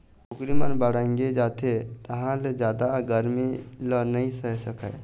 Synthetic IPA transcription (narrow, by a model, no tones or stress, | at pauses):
ukɾimənbəɽaĩŋɡed͡ʒat̪ʰet̪əɦãled͡ʒjad̪aɡəɾmilənəĩsəɦɛsəkə̰ɪ